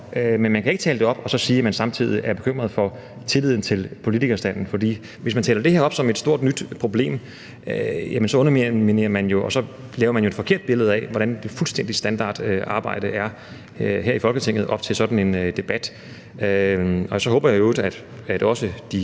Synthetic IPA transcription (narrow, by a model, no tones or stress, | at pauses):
ømenmænkʰæe̝ɡ̥ət͡sʰɛːləd̥e̝ɒ̽b̥ɒ̽sɒ̽siːmænsɑ̈mt͡sʰið̞̰ˠiʔæɐb̥e̝kʰøm̰ʁɐðˠfɒ̽ | t͡sʰe̝lið̰ˠn̩t͡sʰe̝lpʰo̝lit͡sʰiɡ̥ɐsd̥æn̰n̩fɒ̽dḭː | ʋe̝s̬mænt͡sʰɛːlɐd̥e̝heɐ̰ɒ̽b̥sɒ̽me̝d̥sd̥o̝ɐ̰d̥nyd̥pʰʁo̝b̥le̝̰ːm | jæmənsɒ̽ɔ̽nɐmmine̝ːɐmænjo̝ʔɒ̽sɒ̽ | lɛːʊɐmænjoe̥fɒ̽kʰe̝ɐ̰d̥̚b̥e̝ləð̞̩ˠæɛ̰ʋɒɾ̥ænd̥e̝fulsd̥en̰d̥isd̥ænd̥ɑ̰̈ːd̥øɑ̈ːb̥ɑ̈ɪ̰d̥əʔæɐ | ɦeɐifɒ̽lɡ̥ət͡sʰeŋ̰ð̞̩ˠʔɒ̽b̥̚t͡sʰe̝lsɒ̽d̥n̩e̝nd̥e̝b̥æd̥ | øɒ̽sɒ̽ɦɔ̰ːbɐjaoʊd̥æd̥ | æd̥ɒ̽səd̥i